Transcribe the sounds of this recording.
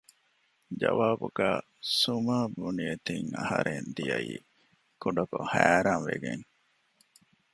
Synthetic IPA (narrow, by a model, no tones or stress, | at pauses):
d͡ʒɐʋaːbuɡæː | sumaːbuniet̪iŋɐhɐɾend̪ijɐḭː | kuɖɐkohæːɾaːnʋeɡeŋ